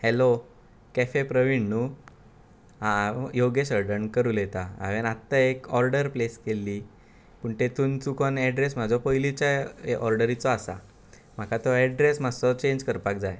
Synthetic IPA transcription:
helo | kɛfepɾəʋiɳːu | ajoɡeɕəɾɖəɳkəɾuːlet̪aa̰ʋenat̪ːaekɔɾɖəɾpleskelːi | pəɳt̪et̪uːnt͡sukɔnɛɖɾesmad͡zʱɔpəjlit͡ɕjaʔɔɾɖəɾit͡sɔasa̰ | m̤akat̪ɔɛɖɾesmasɔt͡ɕeɲd͡ʑkəɾpakd͡zaj

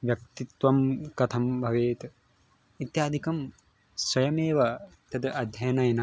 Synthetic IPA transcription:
ʋjɐk̚t̪it̪ʋɐmkɐt̪ʰɐmbʱɐʋeːt̪ | it̪jaːd̪ʱikɐm | swɐjɐmeːʋɐt̪ɐd̪ɐɐd̪ʱjɐjɐnɐjɐnɐ

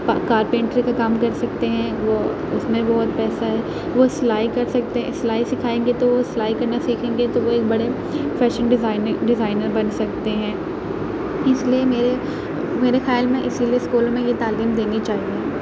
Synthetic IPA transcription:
pakaːɾpẽːɳʈɾikakaːmkɐɾsɐkt̪eɦɛ̃ʋo | ʊsmẽbɔːt̪̚pɛːsaɦɛː | ʋoslaːikɐɾsɐk̚t̪eɦslaːisɪkʰaːẽːŋɡet̪oʋoslaːikɐɾnasiːkʰẽːŋɡet̪oʋoeːk̚bɐɽe | fɛːʃə̃nɖɪzaːɪnɖɪzaːɪnəɾbɐnsɐk̚t̪eɦɛ̃ː | ɪsliemeːɾe | meːɾexjaːlmɛ̃ʔɪsilieskuːlõmẽjet̪aːliːmd̪eːnit͡ʃaːɦĩɡĩ

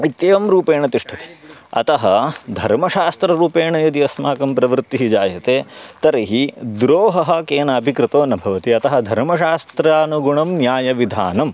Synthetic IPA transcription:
it̪jeːʋɐmɾuːpeːɳɐt̪iʂʈʰɐt̪i̥ɐ̰t̪ɐɦɐd̪ʱɐ̰ɾmɐʃaːst̪ɾɐɾuːpeːɳɐjɐd̪iɐsmaːkɐmpɾɐʋɾt̪ːiɦid͡ʒaːjɐt̪eːt̪ɐɾɐɦid̪ɾoːɦɐɦɐ̆keːnaːbʱikɾɪt̪oːnɐbʱɐʋɐt̪iɐt̪ɐɦɐd̪ʱɐɾmɐʃaːst̪ɾaːnuɡuɳɐmnjaːjɐʋid̪ʱa̰ːnɐm

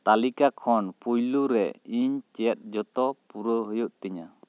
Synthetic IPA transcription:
t̪alikakʰɔnpujluɾɛiɲt͡ʃɛt̪̚ˀd͡ʒɔt̪ɔpuɾəɦujuʔt̪ɛɲa

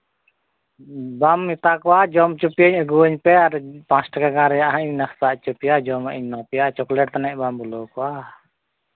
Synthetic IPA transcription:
bamːit̪akɔwad͡ʒɔmt͡ʃupiəɲəɡuəɲpɛadɛpaŋsʈəkaɡaɾjaʔaɲnahsaʔt͡ʃupiad͡ʒɔmʔəɲnɔpijat͡ʃɔklɛʈ̚t̪anɛʔbambulɔkɔwa

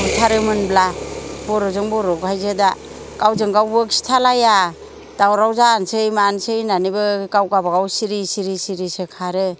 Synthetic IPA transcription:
butʰaɾɯmɯnblabɔɾɔzɯŋbɔɾɔɡhajzɯda | kawzɯŋɡawbɯksi̥tʰalaja | d̥awɾawzansejmansɯjnanibɯkawɡabaɡawsiɾisiɾisiɾisekʰaɾɯ

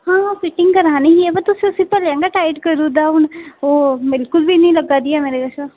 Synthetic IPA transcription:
hãːfɪʈɪŋɡkəɾãnĩɦiebət̪ʊsiʊsĩpəljãːŋɡaʈaːjʈkəɾũd̪aɦʊnobɪlkʊlbʱinĩləɡad̪iameɾeɡ̪ɐʃa

